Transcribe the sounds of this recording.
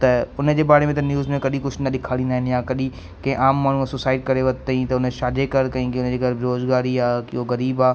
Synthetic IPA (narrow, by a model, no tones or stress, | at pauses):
t̪ɐʊnd͡ʑeːbaːɾemẽt̪ɐnjuːzmẽkɐɗĩkʊt͡ʃʰnɐɗɪkʰaːɽĩnd̪aːɦɪ̃njãːkɐɗĩ | kɐẽʔaːmːaːɳ̤ũɐsosaːɪʈ̚kɐɾeʋɐt̪ɐĩt̪ɐʊnẽʃaːd̪ekɐɾkɐĩːɡeʊnd͡ʑeɡɐɾbʱɪɾoːzɡaːɾiaːkɪoɣɐɾiːbaː